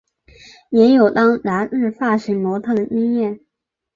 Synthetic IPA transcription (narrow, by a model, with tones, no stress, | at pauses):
jɛ˧˥njo˨˩ʊt̪ɑ˥ŋɻa˧˥ɻɻ̩˥˧fa˥˩ʂ̩˧˥mwɔ˧˥t̪ʰa˥˩d̪ə˩i˥ŋjɛ˥˩n